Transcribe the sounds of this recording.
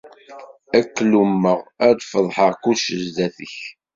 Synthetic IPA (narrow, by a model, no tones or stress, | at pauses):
ækːlumːəʁæd̪fəðˤħəʁkuʃəzd̪æθəç